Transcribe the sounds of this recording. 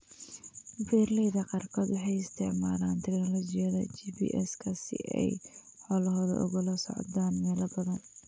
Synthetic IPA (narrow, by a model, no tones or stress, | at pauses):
bɛːrlɛjðɐqɑrkʰɔːd̪wɑħɑjɪst̪ʰɪʕmaːlaːnt̪ʰɛɡnɔlɔt͡ʃɪjɐðɐ̰t͡ʃiːbḭːʔɛskʰɐsɪ̰ʔɛ̰j | ħɔlɐɦɔːðɐ̰ʔʊ̰ɣʊlɐsɔ̰ʕd̪aːnmɛːlɐbɐðɐn